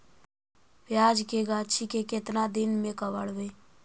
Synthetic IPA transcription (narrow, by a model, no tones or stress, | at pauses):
pjaːd͡ʒkeɡat͡ʃʰikekɪt̪nad̪ɪnmẽkəwəɽʋe